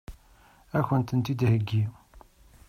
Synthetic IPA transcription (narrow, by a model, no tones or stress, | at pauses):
æçənt̪ənt̪id̪həɡːi